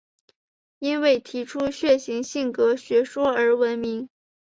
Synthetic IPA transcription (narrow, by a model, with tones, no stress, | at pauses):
i˥nwe˥˩ɪt̪ʰi˧˥ʈ͡ʂʰu˥ɕɥɛ˥˩ɕi˧˥ŋɕi˥˩ŋkɤ˧˥ɕɥɛ˧˥ʂwɔ˥ə˞˧˥wə˧˥nmi˧˥ŋ